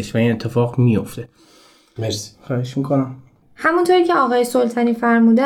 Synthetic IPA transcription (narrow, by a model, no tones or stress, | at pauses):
eʃvæinet̪ʰːe̞fɒːɣmijoft̪e | xɒːheʃmikʰonæm | hæmunt̪ʰoɾiːcʰeɒːɣɒːjesolt̪ʰɒniːfæɾmuːd̪æ